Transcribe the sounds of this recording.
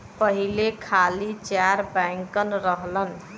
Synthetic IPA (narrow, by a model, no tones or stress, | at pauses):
pəɦilekʰalit͡ʃaɾbãŋkənɾəɦlən